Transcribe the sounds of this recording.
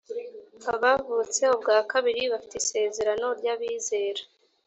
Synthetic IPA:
aβavut͡se̞obɡaːkaβiɾiβafi̥teise̞ːze̞ɾano̞ɾɟaβiːze̞ːɾḁ

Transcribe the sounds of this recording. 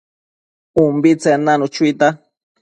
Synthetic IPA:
umbit͡senanut͡ʃuijt̪a

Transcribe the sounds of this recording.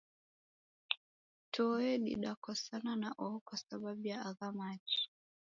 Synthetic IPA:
tɔɛɗḭɗakɔsananaʔɔɔkwasababujaaɣamat͡ʃi̥

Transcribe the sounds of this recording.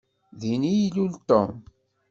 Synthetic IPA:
ðinijlult̪o̰m

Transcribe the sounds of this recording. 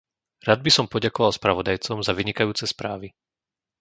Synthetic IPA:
ɾad̪̚bisɔmpɔɟakɔʋalˠspɾaʋɔd̪ajt͡sɔmzaʋiɲikajuːt͡sɛspɾaːʋi

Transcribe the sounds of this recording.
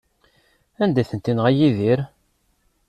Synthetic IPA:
ænd̪æθənt̪inʁæjiðiɾ

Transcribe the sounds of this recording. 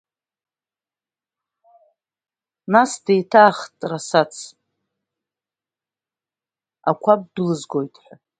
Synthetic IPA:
nasdejtʰaːχtʼrasat͡sʰ | a̰kʷʰab̚dɨlɨzɡo̞jtʼħʷa

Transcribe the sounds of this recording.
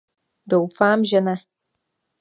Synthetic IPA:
dɔwfaːmʒɪna

